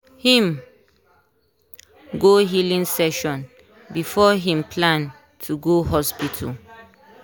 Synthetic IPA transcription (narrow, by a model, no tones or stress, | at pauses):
hĩm | ɡoɦilĩŋsɛʃɔ̃n | bifɔɦĩmpʰlãn | tʰuɡoɦɔspitʰa̰